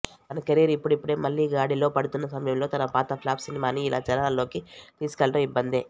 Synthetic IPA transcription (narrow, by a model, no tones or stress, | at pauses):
t̪ɐnɐkeɾiɾipːuɽipːuɽeːmɐlːiːɡaːɽilo̞ːpɐɽut̪unːɐsɐmɐjɐmlo̞ːt̪ɐnɐpaːt̪ɐpʰilaːbsinimaːniːlʔa̰ːt͡ʃɛɾɐalːo̞ːkit̪iːsu̥kɛlːɐʈɐmibːɐnd̪eː